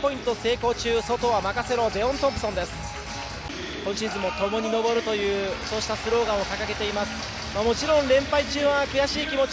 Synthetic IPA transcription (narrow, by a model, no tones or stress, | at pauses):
po̞ĩnt̪o̞se̞ːko̞ːt͡ɕɨːso̞t̪o̞βamakaseɾo̞b̪e̞õ̞nt̪o̞pːɯ̟̥sond̪e̞sɨ̥ | kõ̞ɲt͡ɕizɨmo̞t̪o̞mo̞ɲ̟ino̞bo̞ɾɯ̟t̪o̞jɯ̟ːso̞ːɕi̥t̪asɨɾo̞ːɡãɰ̃okakaɡe̞t̪e̞imasɨ̥ | mamo̞t͡ɕiɾõ̞nɾẽ̞mpait͡ɕɨːβakɯ̟jaɕiːkʲimo